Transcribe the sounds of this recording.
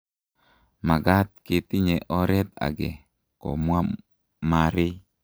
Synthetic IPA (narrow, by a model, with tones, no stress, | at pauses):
ma˨ɡa˦t̪̚kɪ˨t̪ɪ˦ɲɛ˨ʔɔ˦ɾɛ˦t̪a̰˨ɡɛ˨ | ko̰˨mwa˦ | ma˨ɾɪ˦